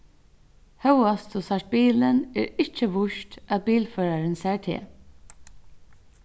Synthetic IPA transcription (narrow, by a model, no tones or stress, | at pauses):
hœwast̪ɔsaʂʈ̚biːlənɛ̰ːɹɪt͡ʃəʋʊʃtæð̚biːlfœːɹaɹənsæːɹt̪ʰḛː